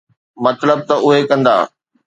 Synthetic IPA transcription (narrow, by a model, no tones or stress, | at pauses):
mɐt̪ləb̚t̪ɐʔʊɦekɐ̃nd̪a̰ː